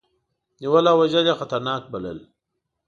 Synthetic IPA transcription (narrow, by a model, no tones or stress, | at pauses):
niwalaːwaʒaljaxat̪aɾnɑːk̚bɐlə̰l